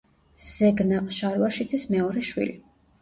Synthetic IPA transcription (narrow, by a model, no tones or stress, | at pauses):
z̥ɛɡnaqʼʃaɾwaʃid̪zʰʼismɛɔɾɛʃwḭli